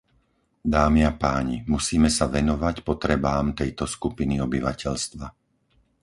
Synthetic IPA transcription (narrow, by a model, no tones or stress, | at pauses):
d̪aːmiapaːɲimusiːmɛsaʋɛnɔʋacpɔt̪ɾɛbaːmt̪ɛjt̪ɔskupiniɔbiʋacɛʎst̪ʋa